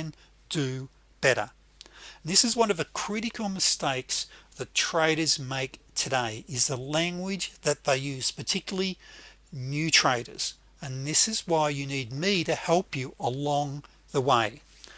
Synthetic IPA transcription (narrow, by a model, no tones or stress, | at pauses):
ɨ̃n | d̥ɨ | b̥ɛɾə̰˞ | n̩ðɪsɨzwʌ̃nʌvðɨkʰɹ̥ɪɾɨkl̩ˠmɨsteɪksðɨtʰɹ̥eɪɾə˞zmeɪktʰɨdeɪʔɨzðəlæ̃ŋɡwɪd͡ʒðɨt̪̚ðeɪjʉz̥pʰə˞tʰɪkjl̩ˠi | njʉtʰɹ̥eɪɾə̰˞z̥ | ɨ̃nðɪsɨzwaɪjɨnid̚miɾɨhɛlˠpjɨʔəlɔ̃ŋ | ðəweɪ